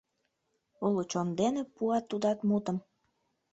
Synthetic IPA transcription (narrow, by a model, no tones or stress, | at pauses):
ulut͡ɕond̪enepuɑt̪ːud̪ɑt̪mut̪ə̆m